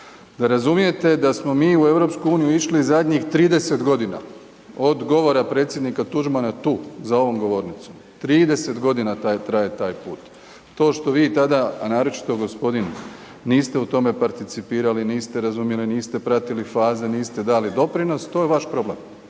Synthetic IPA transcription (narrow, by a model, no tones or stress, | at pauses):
d̪aɾazumije̞t̪e̞d̪asmo̞miːue̞ʋɾo̞pskuuːnijuiʃliːzad̪ɲixt̪ɾiːd̪e̞se̞t̪ɡo̞d̪ina̰ | o̞d̪ɡo̞ʋo̞ɾapɾe̞ːt̪sʲje̞d̪nikat̪uʒmanat̪uːzao̞ʋo̞mɡo̞ʋo̞ːɾnit̪som | t̪ɾiːd̪e̞se̞t̪ɡo̞d̪inat̪at̪ɾaje̞t̪aːjpuːt̪ | t̪ːo̞ːʃt̪o̞ʋiːt̪ad̪aanaːɾo̞t͡ʃi̥t̪o̞ɡo̞spo̞d̪in | niːst̪e̞ut̪o̞me̞paɾt̪it̪sipiːɾaliniːst̪e̞ɾazumje̞liniːst̪e̞pɾat̪ilifaːze̞niːst̪e̞d̪aːlid̪o̞pɾino̞st̪o̞ːjeʋaʃpɾo̞blem